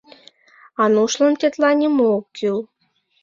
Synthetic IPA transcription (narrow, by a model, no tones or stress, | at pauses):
ɑnuʃlɤ̆nt̪ʲet̪lɑnʲimokkyl